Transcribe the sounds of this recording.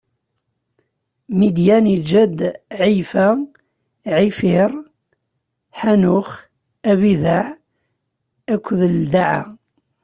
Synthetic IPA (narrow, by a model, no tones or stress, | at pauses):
mid̪jænid͡ʒæd̪ʕifæ | ʕifɪɾ | ħanʊχ | æβiðaʕ | ækʷːðəld̪aʕa̰